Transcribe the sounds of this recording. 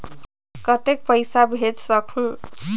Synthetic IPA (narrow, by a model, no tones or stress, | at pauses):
kʌt̪ek̚pʌjsabʱed͡zsʌkʰũ